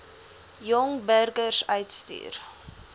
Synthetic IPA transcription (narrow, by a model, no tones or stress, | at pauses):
jɔŋbærɡərsœɥtsty̰ːr